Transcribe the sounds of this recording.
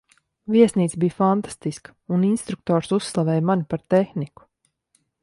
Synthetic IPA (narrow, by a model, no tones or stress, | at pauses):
viɛsniːt̪sbijfant̪ḁst̪iskə̥uninst̪ɾuk̚t̪ɔːɾsusːlˠavɛːjmanipaɾt̪ɛxniku̥